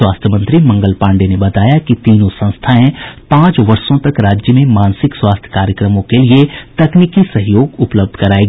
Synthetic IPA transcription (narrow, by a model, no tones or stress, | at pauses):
waːst̪ʰjəmə̃nt̪ɾimɐ̃ŋɡəlpãːɳɖenebɐt̪aːjakit̪iːnõsɐ̃nst̪ʰaẽpãːt͡ʃʋɐɾsõt̪ɐkɾaːd͡ʒjəmẽmãːnsɪkswaːst̪ʰjə̥kaːɾjəkɾəmõkeliet̪ɐkniːkisɐɦjoːɡʊpləb̚d̪ʱkɐɾaːeɡ